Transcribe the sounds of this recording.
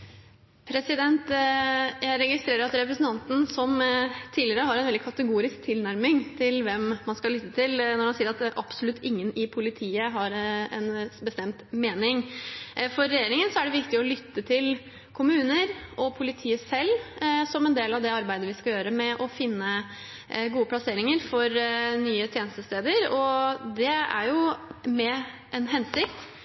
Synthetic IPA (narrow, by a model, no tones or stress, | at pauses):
pʰɾɛsɪd̪ɛnt̪ | jæɪɾɛɡɪst̪ɾeːɾəɾɑt̪ɾɛpɾəsən̩t̪ɑnt̪n̩sɔmt̪ʰiːlɪəɾəɦɑɾɛnʋɛld̪ɪkʰɑt̪əɡuːɾɪsk̚t̪ʰɪlnæɾmɪŋt̪ʰɪlʋɛmmɑnskɑlʏt̪ːət̪ʰɪlnɔɾhɑnsiːəɾɑt̪ʔɑpsɔlʉt̪ʰːɪŋːənɪpʰʊlɪt̪ʰiːəɦɑɾɛnbəst̪ɛmt̪meːnɪŋ | fɔɾːɛjeːɾɪŋənsɔæɖɛʋɪkt̪ɪɔlʏt̪ːət̪ʰɪl | kʰʊmʉːnəɾʔɔpʰʊlɪt̪ʰiːəsɛlːsɔmɛnd̪eːlɑʋd̪ɛɑɾbæɪd̪əʋɪskɑjøːɾəmɛʔɔfɪnːə | ɡuːəpʰlɑseːɾɪŋəɾfɔɾnyːət̪ʰjeːnəst̪əst̪eːd̪əɾɔd̪ɛæ̰ɾjʊmɛ | ʔɛnɦɛnsɪkt̪